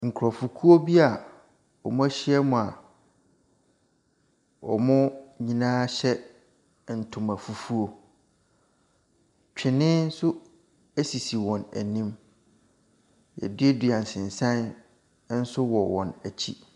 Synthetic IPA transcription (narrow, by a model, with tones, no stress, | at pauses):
ŋ̩˨kʰʊ˨ɾɔ˨fu˨kʰu˦o˦bi˦a˨ | wɔ˨mʊ̃˦æ˦ɕɪ˦ɛ˦mʊ̃˨a˨ | wɔ̰˨mʊ̃˦ɲĩ˦nãː˦ɕɛ˦ | n̩˨tʰʊ̃˨mæ˨fu˦fu˦o˦ | t͡ɕᶣʰɪ˨nɪ̃˦n̩˦sʊ˦ | æ˦si˨si˨wɔ̃˨næ̰˨nĩ˦m | jɛ̰˨dɪ˦ɛ˦dɥã˨n̩˨sɪ̃˨n˨sã˦n˦ | n̩˦sʊ˦wɔ˨wɔ̰̃˨næ˨t͡ɕʰi˦